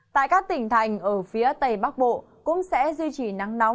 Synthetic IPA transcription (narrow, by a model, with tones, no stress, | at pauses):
t̪a̰ː˧˨jkaː˦˥k̚t̪ï˧˩ŋ̟t̪ʰa˨˩jŋ̟ʔəː˧˩fi˨˦ət̪ə˨˩jɓa˦˥k̚ɓo̰˧˨ | kʊ̰˧˥ŋ͡msɛ̰˧˥zwi˧t͡ɕi˧˩na˨˦ŋna˨˦w